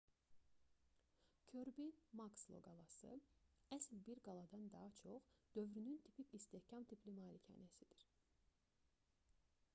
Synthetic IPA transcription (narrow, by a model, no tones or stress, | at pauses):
cʰøɾbinmɑkslˠo̰ɡɑlˠɑsɯ̰æslbiɾɡɑlˠɑd̪ɑnd̪ɑɦɑt͡ʃʰo̞χd̪̥ø̞vɾynynt̪ʰipʰicist̪ehcʰɑmt̪ʰipʰlimɑːlicʰɑ̰ːnesid̪̥iɾ